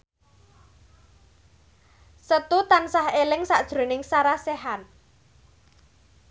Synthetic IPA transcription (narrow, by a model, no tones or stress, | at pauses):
sət̪ut̪ansahelɪŋsaʔd̥ʒ̥ɾo̤nɪŋsaɾaseɦan